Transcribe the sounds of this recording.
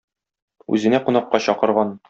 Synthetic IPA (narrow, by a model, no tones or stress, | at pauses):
ʉ̰zɘ̆næqunɑqːɑɕɒqɤ̆ɾʁɑn